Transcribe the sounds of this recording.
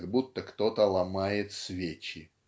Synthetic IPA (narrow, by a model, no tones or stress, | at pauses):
ɡbut̪ːəkt̪ot̪əlˠɐmajɪt̪svʲet͡ɕɪ